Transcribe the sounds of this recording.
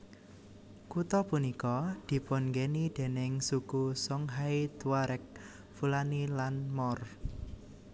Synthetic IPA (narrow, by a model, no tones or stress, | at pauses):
kut̪ɔpunikɔd̪̥i̤pɔnɡenid̪̥e̤nɪŋsukusɔŋɦait̪waɾʔɛk̚ | fulanilanmɔr